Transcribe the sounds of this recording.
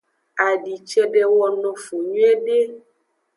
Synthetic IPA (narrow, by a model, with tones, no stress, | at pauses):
a˨ɖi˨t͡ʃɛ˦ɖɛ˦wɔ˦nɔ̃˨fo˨ɲũ˦ɛ˦ɖe˦